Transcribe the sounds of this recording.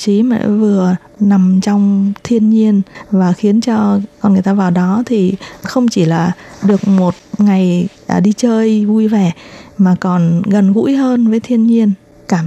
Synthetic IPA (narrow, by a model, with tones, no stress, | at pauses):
t͡ɕi˨˦mɛ̰˧˥vɨ˨˩ə | na˨˩mt͡ɕɔ˧wŋ͡mt̪ʰi˧ənɲi˧ənvaː˨˩xi˨˦ənt͡ɕɔ˧kɔ˧nŋɨ˨˩əjt̪aː˧vaː˨˩wɗɔ˨˦t̪ʰi˨˩xə˧wŋ͡mt͡ɕi˧˩laː˨˩ɗɨ˨˩ək̚mo˨˩t̚ŋa˨˩jʔːɗi˧t͡ɕəː˧jvu˧jvɛ˨˩maː˨˩kɔ˨˩nɣə˨˩nɣṵ˧˥jɦəː˧nvəː˨˦jt̪ʰi˧ənɲi˧ən | kaː˧˩m